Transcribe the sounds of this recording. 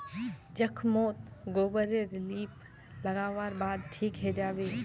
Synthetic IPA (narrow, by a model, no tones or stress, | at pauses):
d͡ʒəkʰmoːt̪ɡoːbəɾeɾɪliːp | lɐɡaːʋaːɾbaːd̪̚ʈʰiːkɦɛd͡ʒaːbeː